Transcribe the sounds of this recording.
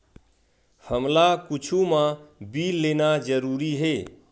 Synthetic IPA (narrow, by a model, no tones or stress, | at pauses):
həmlakʊt͡ʃʰumãbilːenad͡ʒəɾuːɾiɦe